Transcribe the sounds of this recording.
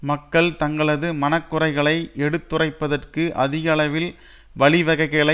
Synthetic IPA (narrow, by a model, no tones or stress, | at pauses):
mɐkːɐɭt̪ɐŋɡɐɭɐðɯmɐnɐkːɯrɐɪɣɐɭɐɪʔɛɽɯt̪ːɯrɐɪpːɐðɐrkɯʔɐðɪɣɐɭɐʋɪl | ʋɐɭɪʋɐɣɐɪkːɐɭɐ